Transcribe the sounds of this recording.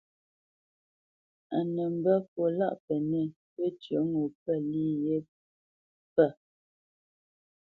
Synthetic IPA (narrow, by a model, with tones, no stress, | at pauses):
a˨nə˨m̩˨bə˦fo˨la̰˦ʔpɛ˨ne˦˨ | pə˦tjə˨˦ŋo˨pɛ˦˨li˦je˦ | pɛ˦˨